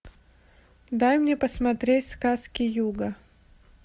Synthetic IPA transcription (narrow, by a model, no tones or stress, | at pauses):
d̪ajmnʲepəsmɐt̪ɾʲetʲskaskʲɪjuɡə